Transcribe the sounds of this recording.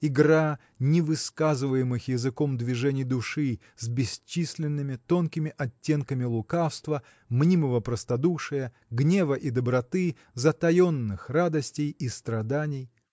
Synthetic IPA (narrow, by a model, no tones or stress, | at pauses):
ɪɡra | nʲɪvɨskazɨvəjɪmɨxjɪzɨko̞md̪vʲɪʐɛnʲɪjd̪ʊʂɨ | zʲbʲɪsʲt͡ɕːisʲlʲɪnːɨmʲɪt̪o̞nkʲɪmʲɪʔɐtʲːe̞nkəmʲɪlˠʊkafst̪və | mnʲiməvəpɾəst̪ɐd̪uʂɨjə | ɡnʲe̞vəʔid̪əbɾɐt̪ɨ | zɐt̪ɐjo̞nːɨxrad̪əsʲtʲɪjist̪ɾɐd̪anʲɪj